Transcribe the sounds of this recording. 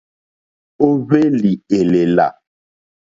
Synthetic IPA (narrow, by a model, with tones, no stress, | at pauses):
o˦βe˦li˨e˨le˨la̰˨